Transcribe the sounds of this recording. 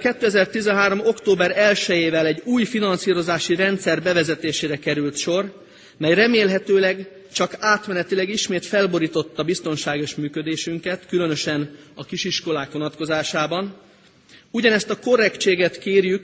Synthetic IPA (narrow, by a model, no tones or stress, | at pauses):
kɛt̪ːøːɛzɛrt̪izɛnɦaːɾo̞mo̞kt̪oːbɛɾɛlʃɛjeːvɛlɛɟːuːjfinɒnsiːɾo̞zaːʃiɾɛnt̪sɛrbɛvɛzɛt̪eːʃeːɾɛkɛɾylt̪ʃo̞r | mɛjrɛmeːlɦɛt̪øːlɛɡ | t͡ʃɒkaːt̪mɛnɛt̪ilɛɡiʃmeːt̪fɛlbo̞ɾiːt̪o̞t̪ːɒbist̪o̞nʃaːɡeːʃmyːkø̞d̪eːʃyŋkɛt̪kylønø̞ʃɛnɒkiʃiʃko̞laːkʋo̞nɒt̪ko̞zaːʃaːbɒn | uɟɒnɛst̪ɒko̞rɛkt͡ʃeːɡɛt̪keːrjyk